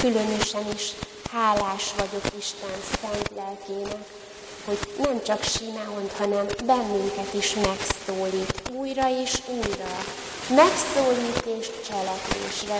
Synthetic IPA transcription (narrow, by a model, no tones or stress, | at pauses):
kylø̞nø̞ʃɛniʃ | haːlːaːʃʋɒɟo̞kiʃt̪ɛnsɛnt̪lɛlkeːnɛk | ho̞ɟnɛmt͡ʃɒkʃiːnaːɦo̞nt̪hɒnɛmbɛnːyŋkɛt̪iʃmɛksoːliːt̪uːjrɒeːʃuːjrɒ | mɛksoːliːt̪eːʃt͡ʃɛlɛkʋḛːʃrɛ